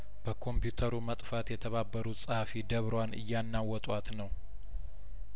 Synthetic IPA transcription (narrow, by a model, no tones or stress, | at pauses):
b̥əkʰo̞mpjut̪ʰəɾumət̪ʼfat̪jɛt̪ʰəβabːəɾusʼəhfid̪əβɾanɨ̰jːanːawːɔt̪ʼwat̪nəw